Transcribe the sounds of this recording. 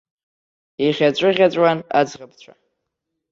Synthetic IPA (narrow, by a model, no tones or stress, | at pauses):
iχʲat͡ɕʷʼɨʁʲat͡ɕʷʼwana̰d͡zʁap̚ʰt͡ɕʷʰʼa